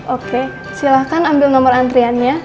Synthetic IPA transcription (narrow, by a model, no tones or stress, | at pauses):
ʔoke | silahkanambɪlnɔmɔrant̪ɾianɲa